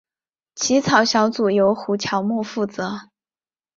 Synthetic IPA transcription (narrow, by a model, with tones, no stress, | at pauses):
t͡ɕʰi˧˥t͡sʰɑ˨˩ʊɕjɑ˧˥ʊt͡su˨˩jo˧˥ʊxu˧˥t͡ɕʰjɑ˧˥ʊmwɔ˥˧fu˥˩t͡sɤ˧˥